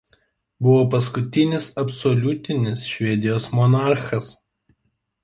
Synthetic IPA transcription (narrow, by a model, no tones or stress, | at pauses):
bʊʋoːpɐs̬kʊt̪ʲɪnʲɪsɐpsɔlʲʊt̪ʲɪnʲɪsʃʲʋʲɛd̪ʲɪjoːsmɔnɑˑɾxɐs